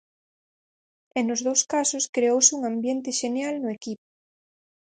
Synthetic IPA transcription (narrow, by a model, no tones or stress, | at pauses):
enʊzðowskasʊskɾeowsɪuŋãmbjent̪ɪʃenjalnʊekipo̥